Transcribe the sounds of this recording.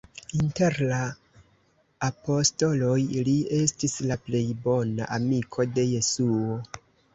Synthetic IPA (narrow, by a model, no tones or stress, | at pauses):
inte̞ɾla | po̞sto̞lo̞jlie̞stislaple̞jbo̞na̰ʔamikʰo̞de̞je̞suo